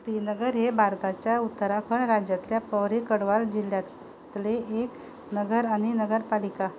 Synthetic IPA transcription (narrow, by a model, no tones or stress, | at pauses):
sɾinəɡəɾɦebʱaɾt̪at͡ɕjaut̪ːəɾapʰəɳɾad͡ʑjat̪ljapəʋɾekəɽʋald͡ʑilːjat̪ | t̪leʔek | nəɡəɾaɽ̃inəɡəɾpalika